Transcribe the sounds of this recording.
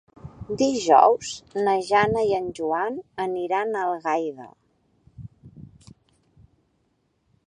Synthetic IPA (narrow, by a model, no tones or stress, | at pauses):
d̪iʒɔ̰wz̥nəʒanəiənʲʒuanəniɾanəlˠɣajðə̰